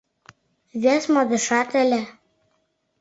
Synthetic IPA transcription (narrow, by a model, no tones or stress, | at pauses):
vʲæsmɑd̪ɤ̆ʃɑt̪ælʲæ